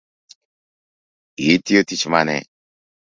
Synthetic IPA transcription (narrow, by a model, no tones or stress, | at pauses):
it̪ijot̪it͡ʃʰmanɛ̰